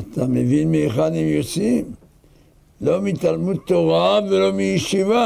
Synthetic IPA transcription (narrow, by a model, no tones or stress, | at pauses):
at̪amevinmeχanimjot͡sim | lo̞mit̪almud̪̚t̪ːoʁavelo̞mijeʃiva